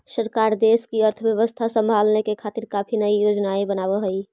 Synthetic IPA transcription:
səɾkaːɾd̪eskiəɾt̪ʰəbjəʋəst̪ʰasə̃mbʱaːlnekekʰaːt̪ɪɾkaːpʰinəijoːd͡ʒnaebənaːbəɦəi

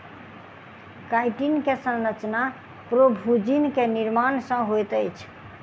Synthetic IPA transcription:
kajʈinkesə̃nɾət͡ʃna | pɾobʱud͡ʒinkeniɾmansə̃ɦojt̪əjt͡ʃʰ

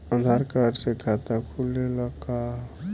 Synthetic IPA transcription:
ə̃nd̪ʱaɾkaɾsekʰat̪akʰuleləka

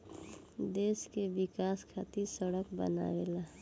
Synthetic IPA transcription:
d̪eːskebɪkaːskʰat̪iɾsəɽəkbə̰na̰ela

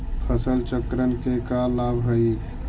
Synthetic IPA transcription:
pʰəsəlt͡ʃəkɾənkekalabɦəj

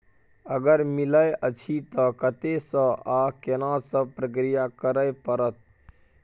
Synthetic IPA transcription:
əɡəɾmɪləjʔət͡ʃʰit̪ɔkət̪esə̃akenãsəpɾək̬ɾijakəɾəjpəɾət̪̚ʰ

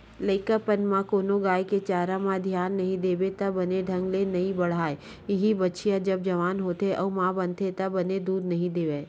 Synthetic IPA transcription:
ləɪkəpənmãkoːnoɡaːeket͡ʃaːɾãmãd̪ʱjaːnːɐɦĩd̪eːbet̪ɐbɐneɖʱɐ̃ŋɡlenɐɦĩbɐɽ̤aːe | ɪɦibɐtːʃʰijãd͡ʒɐb̚d͡ʒɐʋaːnɦoːt̪eʔɔːmãːbɐ̃nt̪ʰet̪ɐbɐned̪uːd̪nɐɦĩd̪eːʋẽː

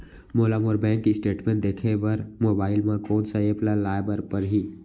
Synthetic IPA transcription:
moːlamoːɾbɛ̃ːŋkːisʈeːʈmẽːɳʈ̚d̪eːkʰebɐɾmoːbaːɪlmẽkɔːnsaeplalaːebəɾpəɾɦiː

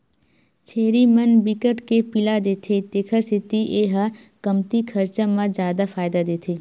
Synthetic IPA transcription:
t͡ʃʰeːɾimɐnbɪkəʈkepɪlad̪eːt̪ʰet̪eːkʰəɾsɪt̪iʔeːɦa | kɐmt̪ikʰɐɾt͡ʃamãzjaːd̪afaːɪd̪ad̪eːt̪ʰeː

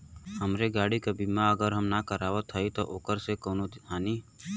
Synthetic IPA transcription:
həmɾeɡaːɽikɐbʱimãəɡəɾɦəmnakəɾaːʋət̪ʰəit̪oʔoːkəɾsekoːnod̪ɪaːniː

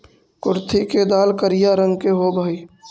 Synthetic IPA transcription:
kʊɾt̪ʰiked̪aːlkəɾɪjaɾə̃ŋɡkeɦobʱaːiː

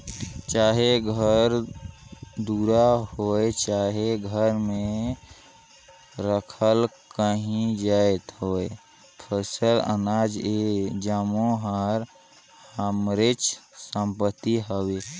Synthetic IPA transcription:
t͡ʃaːɦeɡʱəɾ | d̪uːɾahoet͡ʃaːɦeɡʱəɾmẽ | ɾəkʰəlkəɦĩd͡ʒaːet̪ɦoe | pʰəsələ̰naːd͡ʒed͡ʒamoɦaɾ | həmɾɪt͡ʃsə̃mpət̪ːiɦəwe

